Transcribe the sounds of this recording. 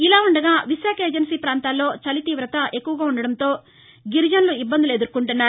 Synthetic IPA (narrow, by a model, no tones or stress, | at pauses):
ilaːuɳɖɐɡaːʋiʃjaːkeːd͡ʒɐnsiːpɾaːnt̪aːlːo̞ːt͡ʃɐlit̪iːʋɾɐt̪ɐʔe̞kːuʋɐɡaːuɳɖɐɽɐnt̪o̞ː | ɡiɾd͡ʒɐnluibːɐnd̪ileːd̪uɾkːuɳʈunːaːɾ